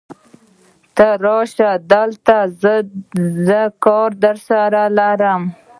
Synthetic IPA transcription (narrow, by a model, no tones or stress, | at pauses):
t̪aɾɑʃad̪əlt̪az | zəkɑɾd̪əɾsaɾalaɾəm